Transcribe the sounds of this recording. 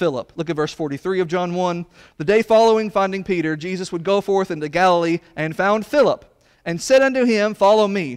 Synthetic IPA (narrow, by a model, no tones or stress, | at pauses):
fɪlˠə̰plʊk̬ɨt̚vɜ˞sfɔɹɾiθɹiʌvd͡ʒɑ̃nwʌ̃n | ðɨdeɪfɑlˠoʊɪ̃ŋfãɪ̃ndɪ̃ŋpʰiɾə˞d͡ʒizɨswəd̚ɡoʊfɔɹθɪ̃ntʉɡælˠəl̩ˠiʔɨ̃nfãʊ̃nd̥fɪlˠəp | ɨ̃nsɛɾʌ̃ntʉɪ̃ɱfɑlˠoʊmi